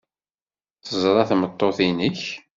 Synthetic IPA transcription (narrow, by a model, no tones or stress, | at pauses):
θəzˤɾˤɑθmət̪ˤːoθinəç